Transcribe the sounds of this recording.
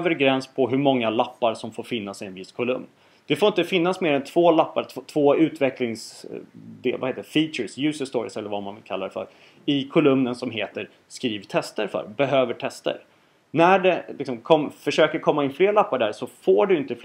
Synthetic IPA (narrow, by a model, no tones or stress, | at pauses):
vəɾɡɾɛnspʰɔɦɵɾmɔŋːalapːaɾsɔmfoːɾfɪnːasɪɛnvɪskʰʊlɵ̰mn | d̪̥ɛfoɾɪnt̪əfɪnːasmeːɾɛnt̪ʰv̥oːlapːaɾt̪ʰːt̪ʰvoːʉ̟ːt̪vɛklɪŋs | d̪ḛːlvaheːt̪əd̪ɛfiːt͡ʃəɾsjʉ̟ːsəst̪oːɾɪ̰sɛlːəɾvamanvɪlkʰalːad̪ɛfœ̰ɾ | ɪkʰʊlɵmnənsɔmɦeːt̪əɾ | skɾiːvt̪ʰɛst̪əɾfœ̰ɾbɛɦøːvəʈʰɛst̪ə̰ɾ | næɖɛlɪksɔmkʰɔmfœʂøːkəɾkʰɔmːaɪnfleːɾɭapːaɖæɾsɔfoːɖɵɪnt̪əf